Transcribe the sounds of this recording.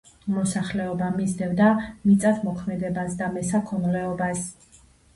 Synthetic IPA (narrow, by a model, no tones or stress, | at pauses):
mɔsaχlɛɔbamizd̪ɛvd̪amit̪sʼat̪ʰmɔkʰmɛd̪ɛbasd̪amɛsakʰɔnlɛɔbas